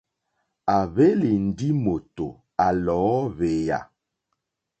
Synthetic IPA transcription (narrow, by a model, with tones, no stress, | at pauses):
a˨βe˦li˨n̩˨di˦mo˨to˨ | a˨lɔː˨˦βe˨ja̰˨